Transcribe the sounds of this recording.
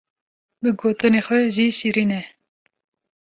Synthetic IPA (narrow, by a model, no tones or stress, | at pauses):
bɨɡoːt̪ɨnexwɛʒisiɾinɛ